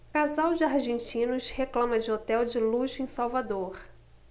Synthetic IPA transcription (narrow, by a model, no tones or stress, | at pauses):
kazawd͡ʒɪaɾʒẽnt͡ʃĩnʊsheklɐ̃mɐd͡ʒɪot̪ɛwd͡ʒɪluʒẽj̃sawvad̪oɾ